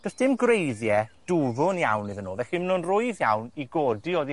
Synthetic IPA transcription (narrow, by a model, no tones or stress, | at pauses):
d̥əsd̥ɪmɡrejðjɛd̥uvʊnja̰wnːɨðənuːvɛximnonrʊɨðjawniɡɔːdiodi